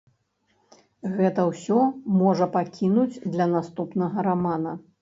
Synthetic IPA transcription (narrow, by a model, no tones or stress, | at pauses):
ɣɛt̪ɐwsʲɔmɔʐɐpakʲʰinud͡zʲd̪lʲɐnast̪upnɐɣɐɾamanɐ